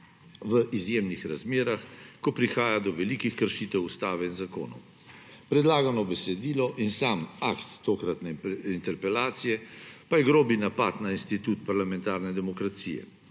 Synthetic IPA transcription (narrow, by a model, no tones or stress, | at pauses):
ʋəʔizjeːmnixɾazmeːɾaxkɔpɾixaːjad̪ɔʋɛlikixkəɾʃiːt̪ɛwust̪aːʋɛinzako̰ːnɔ̰w | pɾɛd̪laːɡanɔbɛsɛd̪iːlɔʔinsamakt̪ːoːkɾat̪nɛint̪ɛɾpɛlaːt̪sijɛpajɛɡɾoːbinapat̪nainst̪it̪ut̪paɾlamɛnt̪aɾnɛd̪ɛmɔkɾat̪sḭːjɛ̰